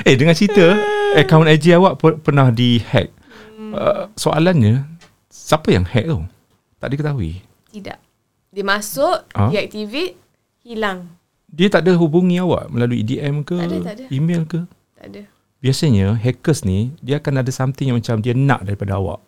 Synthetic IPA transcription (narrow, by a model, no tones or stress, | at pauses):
edəŋãnt͡ʃit̪əəkawnad͡ʒiawaʔpəpərnahdihɛ̰k̚ | əsoʔa̰lanɲə | sapəja̰ŋhɛ̰ʔ̚o̰ | t̪a̰ʔdəkət̪aɦuḭ | t̪ida̰ʔ | dəmasʊʔʔaɛk̚t̪ivi | hilaŋ | diət̪aʔdəɦubuŋĩawa̰ʔməlaluiḭdiʔɛmkəimelkə | t̪ada | biasaɲəɦɛkəsnidiaakanadasamt̪ɪŋjaŋmət͡ʃamdianã̰ʔdaɾipadaa̰wa̰ʔ